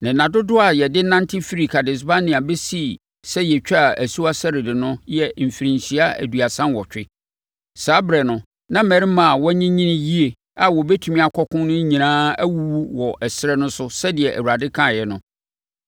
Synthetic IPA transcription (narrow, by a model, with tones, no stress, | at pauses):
nɪ̃˨nã˨dʊ˦dʊ˦a˨jɛ˨dɪ˦nã˦ntʰɪ˦fi˦ɾi˨kʰa˨dɪ˨s̬ba˦nɪ̃˨a˨be˦si˦ | sɛ˦jɛ˨t͡ɕᶣa˦˨æ˨su˦a˦sɛ˦ɾɪ˨dɪ˨nʊ̃˦jɛ˦˨m̩˨fi˨ɾĩ˨nsi˨a˦æ̰˨du˨a˨sã˦nwɔ˨t͡ɕᶣɪ˦ | saː˦bɾɛ˨nʊ̃˨ | nã˦mɛ˨ɾɪ˦mã˨wɔ˦ɲĩ˦ɲĩ˦nɪ̃˦ji˦e˨ | a˨wɔ˨bɛ˦tʰu˨mĩ˦a˨kʰɔ˦kʰʊ̃˦nʊ̃˦ɲĩ˨nãː˦æ˦wu˦wu˦wɔ˨ʔɛ˨sɾɛ˦nʊ̃˦sʊ˦sɛ˦dɪ˨ɛ˨ʔæ̰˨wu˨ɾa˨dɪ˦kʰã˦˨jɛ˨nʊ̃˦